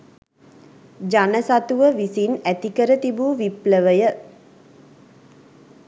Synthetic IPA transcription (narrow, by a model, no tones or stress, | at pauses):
d͡ʒanəsat̪uʋəʋisinæt̪ikəɾət̪ibuːʋipləʋəjə